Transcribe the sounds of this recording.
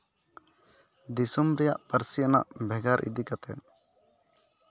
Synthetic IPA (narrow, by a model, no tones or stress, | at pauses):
d̪isumɾɛjaʔpəɾsiana̰ʔbʱɛɡaɾʔḭd̪ikat̪ɛ̰n